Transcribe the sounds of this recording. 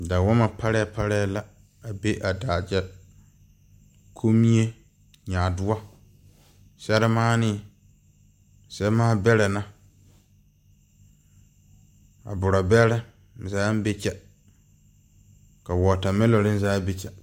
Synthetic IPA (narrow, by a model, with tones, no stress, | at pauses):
da˨wɔ˦ma˨pʰa˦ɾɛ˦ɛ˦pa˦ɾɛ˦a˦la˦ | a˨be˦ʔa˨daː˨d͡ʒɛ˦ | kʰo˦mi˦e˦ | ɲaː˨dʊ˦a˦ | sɛ˦ɾɪ˦maː˦nɪ˦ | sɛ˦maː˦bɛ˦lɛ˨na˦ | a̰˨bʊ˨ɾa˨bɛ˦lɛ˦˨ | zaː˨˦m˦be˦t͡ʃɛ˦ | ka˨wɔː˨ta˨mɛ˦lɔ˨ɾɪ˦n˦zaː˦be˦t͡ʃɛ˨